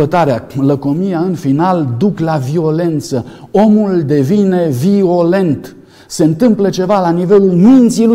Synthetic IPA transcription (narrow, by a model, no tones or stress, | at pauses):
ət̪aɾealəkomijaɨnfinald̪uklavio̞le̞nt̪səo̞muld̪e̞vine̞vio̞le̞nt̪ | se̞ɨnt̪ɨmplət͡ʃe̞valanive̞lulmint̪silu